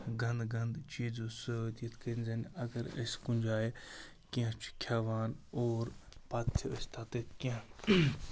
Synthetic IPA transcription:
ɡɐnd̪ɡɐnd̪t͡ʃiːzũːsɐoːt̪ijɐt̪kɐɾinzɐnɐɡɐɾɐ̰skũnʲd͡ʒaːje | kiãːt͡ʃʰu̥kʰjaːʋaːnoːɾpaːt̪ʰiɐst̪ʰaːt̪et̪kã

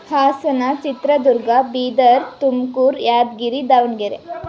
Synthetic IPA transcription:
haːsɐnɐt͡ʃit̪ɾɐd̪uɾɡɐbiːd̪ɐɾt̪umkuːɾjaːd̪ɡiɾid̪aʋnɡeɾe

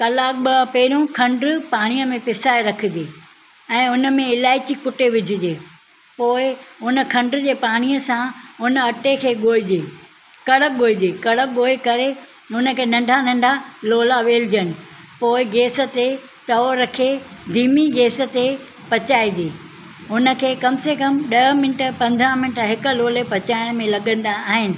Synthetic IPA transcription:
kɐlaːk̚ɓɐpɛːɾõkʰɐ̃ɳɖɾpaːɽ̃ijəmẽpɪsaːeɾɐkʰɪ̆d͡ʑeː | ɛ̃ːʊnə̆mẽɪlaːɪt͡ɕikʊʈeʋɪd͡ʑʱɪd͡ʑeː | poːɪʊn̆kʰɐ̃ɳɖɾd͡ʑeːpaːɽ̃iəsãʊnəɐʈekʰeːɠoːɪd͡ʑeː | kɐɽək̚ɠoːɪd͡ʑeːkɐɽək̚ɠoːekɐɾe | ɦʊnə̆kʰeːnɐ̃ɳɖʱanɐ̃ɳɖʱaloːlaʋeːld͡ʑənɪ̆ | poːɪɡeːsə̆t̪e | t̪ɐoɾɐkʰed̪ʱiːmiɡeːsə̆t̪e | pɐt͡ɕaːid͡ʑeː | ɦʊnə̆kʰeːkɐmsekɐmɗɐɦəmɪnʈəpɐ̃nd̪ʱãmɪnəʈɦɪkə̆loːlepɐt͡ɕaːɪɽ̃mẽlɐɠə̃nd̪aaːɦɪnɪ̆

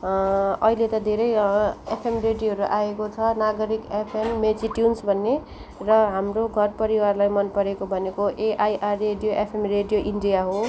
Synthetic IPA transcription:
ʌɦilet̪ʌd̪ʱeɾʌjḛpʰemreɖijoɦʌɾuʔaekot͡sʰʌnaɡʌɾikepʰemːed͡ziʈjunsbʱʌnːe | rʌɦamroɡʱʌrpʌɾiwarlajmʌnpʌɾekobʱʌnekoʔeʔajʔarːeɖijoʔepʰemreɖijoʔiɳɖijaɦo

